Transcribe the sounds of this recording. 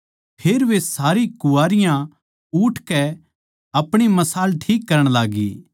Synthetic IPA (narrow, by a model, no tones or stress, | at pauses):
pʰeːɾʋesaːɾikʊaːɾɪjã | uːʈʰkɛ | ɐpɽ̃imɐsaːlʈʰiːkːɐɾəɽ̃laːɡḭː